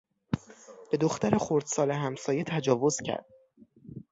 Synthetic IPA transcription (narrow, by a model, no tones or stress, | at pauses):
b̥e̞d̪oxt̪æɾexoɾd̪̥sɒːleɦæmsɒːje̞t̪ʰæd͡ʒɒːvo̞z̥cʰæ̰ɾd̪̥̚